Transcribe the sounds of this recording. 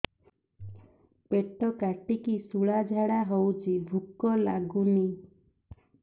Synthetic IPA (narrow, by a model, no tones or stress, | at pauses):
peʈɔkaʈikisuɭad͡ʒʱaɽaɦowt͡ʃʰibʱukɔla̰ɡuni